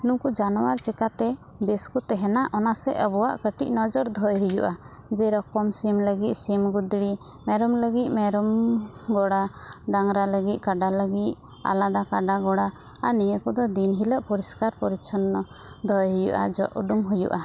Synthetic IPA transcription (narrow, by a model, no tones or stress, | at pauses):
nukud͡ʒanɔwaɾt͡ʃɛkat̪ɛ | bɛskut̪ɛɦɛnaʔɔnasɛʔəbɔwa̰ʔkəʈic̚nɔd͡ʒɔɾd̪ʱɔjɦujuʔa | d͡ʒɛɾɔkɔmsimləɡit̪̚simɡud̪ɽi | mɛɾɔmləɡit̪̚ˀmɛɾɔmɡɔɽaɖaŋɾaləɡit̪̚ˀkaɖaləɡit̪̚ | a̰lad̪akaɖaɡɔɽa | anijəkɔd̪ɔd̪inɦiləʔpɔɾiskaɾpɔɾit͡ʃʰɔnːɔ | d̪ʱɔjɦujṵʔa̰d͡ʒɔ̰ʔṵɖumɦujṵʔa